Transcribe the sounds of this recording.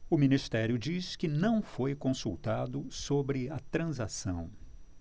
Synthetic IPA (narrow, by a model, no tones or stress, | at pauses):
ʊmĩnist̪ɛɾjʊd͡ʒiskɪnɐ̃w̃fojkõsuwt̪ad̪ʊsobɾɪɐt̪ɾɐ̃zasɐ̰̃w̃